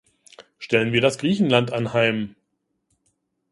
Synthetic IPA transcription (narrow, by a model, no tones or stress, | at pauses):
ʃtɛlənviːɐdasɡ̥ʁiːçn̩lantʔanhaɪm